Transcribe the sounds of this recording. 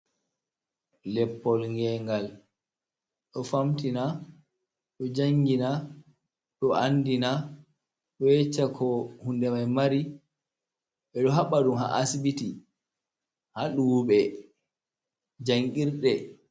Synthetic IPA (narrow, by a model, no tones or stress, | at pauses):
lɛpːɔlŋɡɛŋɡal | ɗɔfamtina | ɗɔd͡ʒaŋɡina | ɗɔandina | ɗɔɛt͡ʃːakʰɔhundɛmajmaɾi | ɓɛɗɔɦaɓaɗumha̰ʔasibiti | haɗuɓɛ | d͡ʒaŋɡiɾɗɛ